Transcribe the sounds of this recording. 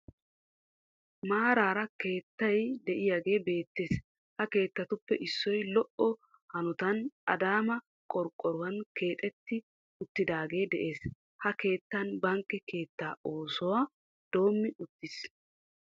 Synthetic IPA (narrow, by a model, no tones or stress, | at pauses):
maːɾaːɾɐke̞ːt̪ːɐjd̪ɛʔɪjaɡe̞ːbe̞ːt̪ːeːs | hɐke̞ːt̪ːɐt̪ʊpːɛʔɪsːɔjlɔʔɔ | hɐnʊt̪ɐnʔɐd̪aːmɐ | kʼɔɾkʼːɔɾʊwɐnke̞ːt̪ʼɛt̪ːɪ | ʊt̪ːɪd̪aːɡe̞ːd̪ɛʔe̞ːs | hɐke̞ːt̪ːɐnbɐŋkːɛke̞ːt̪ːaːo̞ːsɔwaː | d̪̥o̞ːmːɪʊt̪ːɪs